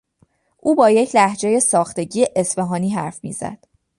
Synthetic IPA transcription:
ʔuːbɒːje̞cʰlæhd͡ʒe̞je̞sɒːxt̪e̞ɟiːeʔesbeɦɒːniːɦæɾfmḭːz̥æ̰d̪̥

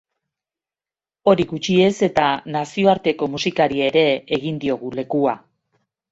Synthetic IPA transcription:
o̞ɾiɣut͡ʃie̞se̞t̪anasio̞aɾt̪e̞ko̞musikaɾieeɾe̞ːɣind̪io̞ɣ̞ule̞kua

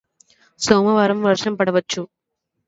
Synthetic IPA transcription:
soːmɐʋɐɾɐmʋɐɾʂɐmpɐɽɐʋɐt͡ʃːu

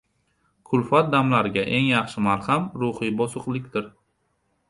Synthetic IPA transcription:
kʰʊlfat̪̚d̪amlaɾɪɡʲaʔe̞ŋjɑχʃɪmalhamɾʊhɪbɒsʊqlˠɪkʲd̪ɪɾ

